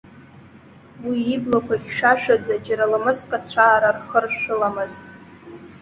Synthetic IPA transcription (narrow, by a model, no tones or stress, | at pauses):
wiːblakʷʰaχʲʃᶣaʃᶣad͡zad͡ʒaɾalɨmɨskʼat͡ɕʷʰaːɾarχərʃːᶣʊlamɨztʼ